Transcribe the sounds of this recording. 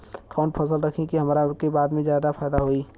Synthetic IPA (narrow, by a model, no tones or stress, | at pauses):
kaːʊ̃ɳʈpʰəsəlɾɐkʰẽkiɦɐmːɾakebaːd̪mẽzjaːd̪apʰaːd̪aɦoːiː